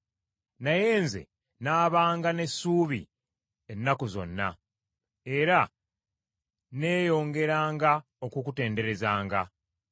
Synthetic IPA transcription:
naje̞ːnze̞̰ | naːβaːŋɡane̞sːuːβḭ | e̞nːakozo̞̰nːa̰ | e̞ɾa | ne̞ːjo̞ːŋɡe̞ɾaːŋɡa | okukute̞ːnde̞ɾe̞zaːŋɡa

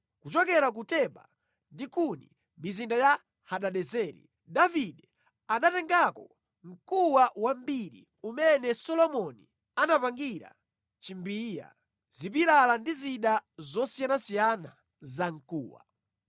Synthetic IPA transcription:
kut͡ʃɔkɛɾak̬utɛɓa̰ | ndikunḭ | mizindaja | haɗaɗɛzɛːɾḭ | daviɗɛ | anatɛŋɡakɔ | ŋ̩kuwawambiɾḭ | umɛnɛsɔlɔmɔni | anapaŋɡiɾa̰ | t͡ʃimbiːja̰ | zipiɾalandiziɗazɔsijanasijana | zaŋ̩kṵːwa̰

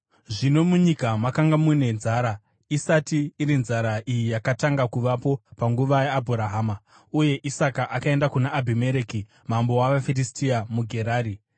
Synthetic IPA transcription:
ʐino̞muɲikamakaŋɡamune̞nzaːɾa | isatiːɾinzaɾaʔijijakataŋɡakuʋapo̞paŋɡuʋajeabʱuɾaɦaːma | uje̞ʔisakaʔakae̞ndakunaːbʱimeɾeki | mambo̞waʋafeɾistiamuɡʱe̞ɾaːɾi

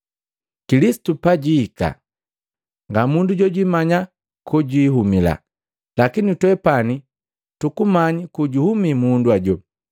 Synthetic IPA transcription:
kilisi̥tupaɟiːka̰ | ŋɡamunduɟɔɟimaɲa | kuɟiɦumila̰ | lakinitwɛpani | tukumaɲikuɟuhumimunduaɟɔ

